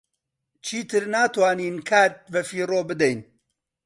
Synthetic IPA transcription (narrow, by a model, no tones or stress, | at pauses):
t͡ʃʰiːt̪ʰɨɾnaːt̪waːniːnkʰaːt̪̚bɐfiːroːbɨd̪ɛjn